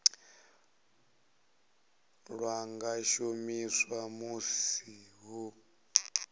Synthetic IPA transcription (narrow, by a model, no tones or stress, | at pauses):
ɺwaŋɡaʃomiswamusiɦu